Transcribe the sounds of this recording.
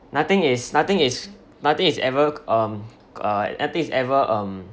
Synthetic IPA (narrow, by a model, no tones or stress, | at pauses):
nat̪ɪ̃ŋɪsnat̪ɪ̃ŋɪs | nat̪ɪ̃ŋisɛvəʌ̃m | ʌnat̪ɪ̃ŋisɛvəʔʌ̃m